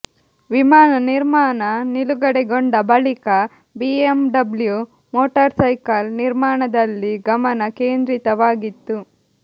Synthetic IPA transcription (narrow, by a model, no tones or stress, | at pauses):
ʋimaːnɐniɾmaːnɐniluɡɐɽɛɡoɳɖɐbɐɭikɐ | biemɖɐblju | moːʈɐɾsɐjkɐlniɾmaːɳɐd̪ɐlːiɡɐmɐnɐkeːnd̪ɾit̪ɐʋaːɡit̪ːu